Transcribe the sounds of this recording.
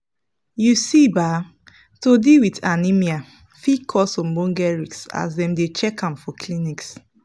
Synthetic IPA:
jusiba | todiwitanimia | fikʰɔsɔ̃mbɔ̃ŋɡɛɹiksa̰sdɛ̃mdet͡ʃɛkʰãmfɔkʰliniks

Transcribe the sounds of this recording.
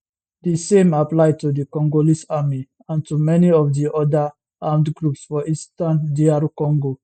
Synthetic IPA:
disẽmaplaɪtudikɔ̃ŋɡolisami | ãntumɛniɔfdiʔɔda | ãmdɡɹupsfɔʔistãndiaɾukɔ̃ŋɡo

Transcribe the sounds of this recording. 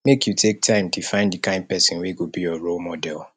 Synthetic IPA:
mekʰjutʰek̚tʰãɪ̃mtʰufãɪ̃nddikʰãɪ̃nd̚pɛsĩnweɡobijɔɹolmɔdɛlˠ

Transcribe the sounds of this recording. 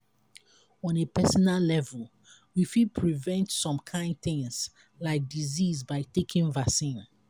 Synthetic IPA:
ɔ̃nepʰɛsɔnallɛvul | wifid̚pʰɹivɛ̃ntsɔ̃mkʰãɪ̃nd̚θɪ̃ŋz̥ | laɪk̚dizizbaɪtekʰĩŋvasĩn

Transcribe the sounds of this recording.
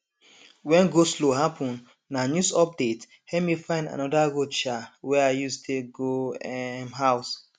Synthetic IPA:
wɛ̃nɡosloɦapʰɔ̃n | nanjusɔp̚det | hɛmifãɪ̃nda̰nɔdaɡot͡ʃawɛaɪjustʰeɡoɛmɦaʊs

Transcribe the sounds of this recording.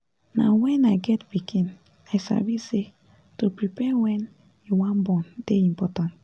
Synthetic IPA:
nawɛ̃naɪɡɛtbikʰĩn | asa̰vise | topɹipɛwɛ̃n | wãnbɔ̃nd̥eĩmpɔtãnt

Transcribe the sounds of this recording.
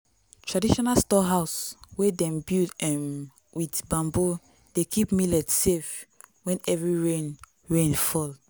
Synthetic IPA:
tʰɹadiʃɔnalstɔɦaʊswedɛ̃mbildɛ̃m | witbãmbo | d̥ekʰipmilɛdsef | wɛ̃nɛvɹiɹẽn | ɹẽnfɔl

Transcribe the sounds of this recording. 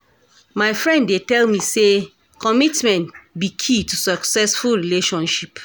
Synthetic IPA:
maɪfɹɛ̃ndːetɛlmise | kɔmitmɛ̃ntbikʰitusɔksɛsfulɹileʃɔ̃nʃip

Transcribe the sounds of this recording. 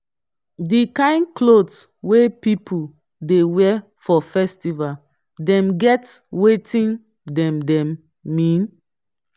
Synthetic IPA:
dikãɪ̃nklods | wepipʰu | dewɛ | fɔfɛstival | dɛ̃mɡɛtwetʰĩn | dɛ̃mdɛ̃mː | ĩn

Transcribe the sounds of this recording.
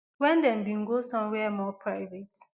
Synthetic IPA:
wɛ̃ndɛ̃nbĩŋ̩ɡosɔ̃mwɛmɔpʰɹaɪvet

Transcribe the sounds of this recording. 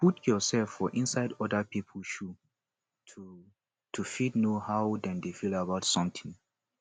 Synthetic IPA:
putʰjɔsɛlfːɔʔĩnsaɪdɔdəpipʰəl̩ʃu | tʰu | tʰufidnohaʊdɛ̃ndefilabaʊtsɔ̃mtʰĩŋ

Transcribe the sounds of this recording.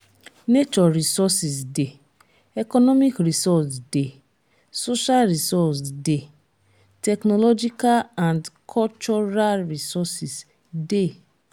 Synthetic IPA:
net͡ʃɔɾisɔsisde | ɛkɔnɔmikɾisɔsde | soʃalɾisɔsde | tɛknɔlɔd͡ʒikalãndkʰɔlt͡ʃɔɾalɹisɔsis | de

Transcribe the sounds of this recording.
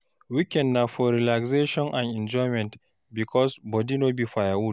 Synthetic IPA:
wikɛ̃ndnafɔɾilakseʃɔ̃nʔãnɛ̃nd͡ʒɔjmɛ̃nt | bikʰɔsbɔdinobifajawud

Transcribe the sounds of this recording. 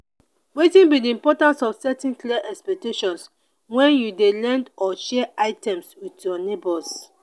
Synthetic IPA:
wetĩnbidiĩmpɔtãnsɔfsɛtĩnkliɛʔɛkspɛk̚teʃɔ̃ns | wɛ̃njudelɛ̃ndɔʃɛʔaɪtɛ̃mswitjɔnebɔs

